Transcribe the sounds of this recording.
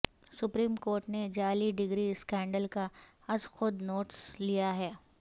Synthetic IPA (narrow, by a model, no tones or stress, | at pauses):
sʊpɾiːmkoːɾʈned͡ʒaːliɖɪɡɾiskɛ̃ːɳɖəlka | ɐsxʊd̪noːʈslijaɦɛː